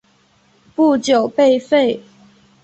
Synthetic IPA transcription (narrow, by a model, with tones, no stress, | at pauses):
pu˥˨t͡ɕjo˨˩ʊpe˥˨ɪfe˥˨ɪ